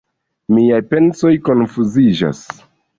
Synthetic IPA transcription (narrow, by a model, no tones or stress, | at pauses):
miajpe̞nso̞jko̞nfuzid͡ʒa̰s